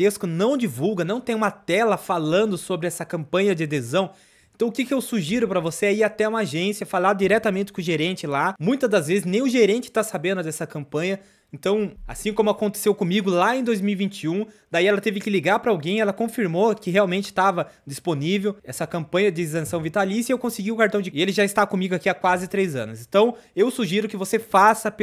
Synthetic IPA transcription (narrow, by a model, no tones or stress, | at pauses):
eskʊnɐ̃w̃d͡ʒivuwɡɐnɐ̃w̃t̪ẽj̃ũmɐt̪ɛlɐfalɐ̃nd̪ʊsobɾɪɛsɐkɐ̃mpɐ̃ɲɐd͡ʒ̪ɪed̪ezɐ̃w̃ | ẽnt̪ɐ̃w̃ʊkɪkɪewsuʒiɾʊpɾɐvoseɛiat̪ɛũmaʒẽsiɐfalãd̪d͡ʒiɾɛt̪ɐmẽnt͡ʃɪ̥kʊ̃ʒeɾẽnt͡ʃɪlamũj̃t̪ɐd̪ɐzvezɪznẽj̃ʊʒeɾẽnt͡ʃɪ̥t̪asabẽnd̪ʊd̪ɛsɐkɐ̃mpɐ̃ɲɐ | ẽnt̪ɐ̃w̃a̰sĩkõmʊakõnt̪e̥sewkõmiɡʊlaẽj̃d̪ojzmiwivĩnt͡ʃiũd̪aiɛlɐt̪evɪkɪliɡaɾpɾɐawɡẽj̃ɛlɐkõfiɾmokɪɦeawmẽnt͡ʃɪ̥t̪avɐ | d͡ʒisponivewɛsɐkɐ̃mpɐ̃jɐd͡ʒ̪ɪzɐ̃sɐ̃w̃vit̪alisɐewkõsɪɡiʊkaɾt̪ɐ̃w̃d͡ʒɪɪelɪʒaɪst̪akõmiɡʊakiakwazɪt̪ɾejzɐ̰̃nʊsẽnt̪ɐ̃w̃ewsuʒiɾʊkɪvosefasɐp